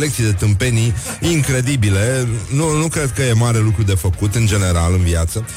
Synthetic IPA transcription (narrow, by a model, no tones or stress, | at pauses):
lek̚t̪sijd̪e̞t̪ɨmpe̞niiŋkɾe̞d̪ibile̞nunukɾe̞d̪̚kəje̞maɾe̞lukɾud̪efəkut̪ɨnd͡ʒe̞ne̞ɾalɨnviat̪sə